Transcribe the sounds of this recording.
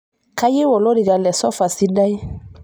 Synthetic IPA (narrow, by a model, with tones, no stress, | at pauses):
ka˦je˦wɔ˨lo˦de˨ɡa˨lɛ˨sɔ˦fa˨si˦da˦je˦